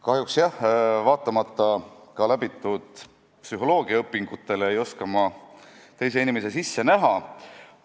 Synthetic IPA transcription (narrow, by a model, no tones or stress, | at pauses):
kɑɦjuksjɑhvɑːt̪ˑːɑmɑt̪ːˑɑkɑlæbit̪ˑːud̪̥ | psyɦo̞lo̞ːɡ̥iɑɤpːˑiŋɡ̥ut̪ːˑe̞leejo̞skɑmɑ | t̪e̞js̬e̞inʲimes̬e̞sisːe̞næɦɑ